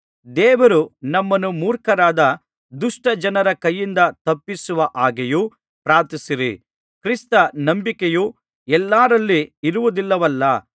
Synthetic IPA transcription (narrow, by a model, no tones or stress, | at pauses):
d̪ɛːʋɐɾunɐmːɐnːumuːɾkɐɾaːd̪ɐ | d̪uʂʈɐd͡ʒɐnɐɾɐkɐjːind̪ɐt̪ɐpːisuʋɐʔaːɡeju | pɾaːɾt̪isiɾḭ | kɾist̪ɐnɐmbikeju | ɛlːaːɾɐlːiiɾuʋud̪ilːɐʋɐlːɐ